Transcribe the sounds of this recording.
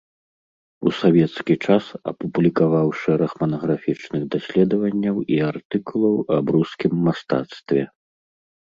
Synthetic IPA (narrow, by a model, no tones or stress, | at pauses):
usavʲɛt̪skʲit͡ʂasɐ̰publʲikavawʂɛɾɐxmɐnɐɣɾafʲit͡ʂnɨɣd̪asʲlʲɛd̪ɐvɐnʲːɐwiart̪ɨkulˠɐwɐbɾuskʲimːast̪a̰t̪st̪vʲɛ